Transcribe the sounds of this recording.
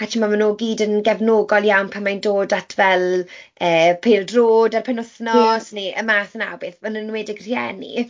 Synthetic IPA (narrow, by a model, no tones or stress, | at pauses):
at͡ʃʰimamanoːɡiːdənɡɛvnoːɡɔlˠjawnpʰamajndoːdatʰvɛlˠəːpʰeːlˠdroːdarpʰɛnʊθnɔsneʔə̰maːθəna̰wbeːθmanənweːdɪɡr̥jɛ̰nḭ